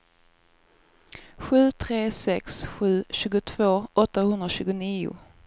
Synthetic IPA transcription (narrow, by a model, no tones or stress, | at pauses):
ɧʉ̟ːt̪ʰɾeːsɛksɧʉ̟ːɕʉ̟ːɡʊt̪ʰv̥oːʔɔt̪ːahɵnd̪ɾaɕʉ̟ːɡʊniːʊ̰